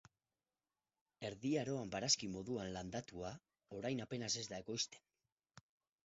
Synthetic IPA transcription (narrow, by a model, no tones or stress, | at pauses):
e̞ɾðiaɾo̞ambaɾaskimo̞ðuanland̪at̪ua | o̞ɾajnape̞nase̞zd̪ae̞ko̞jst̪e̞̥n